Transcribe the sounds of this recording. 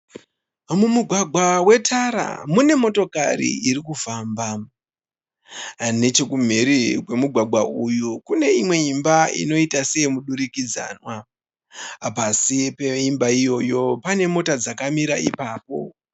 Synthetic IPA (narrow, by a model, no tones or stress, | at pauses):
mumuɡʱwaɡʱwawe̞tʰaɾa̰mune̞mo̞to̞ka̰rḭiɾikufaːmba | ne̞t͡ʃe̞kum̤eɾikwe̞muɡʱwaɡʱwaujukune̞imwe̞imbaḭno̞itase̞jmuɗuɾikid͡za̰ːnwa | pasipe̞imbaijo̞jo̞pane̞mo̞tad͡zakamiɾaʔḭpaːpo̞̰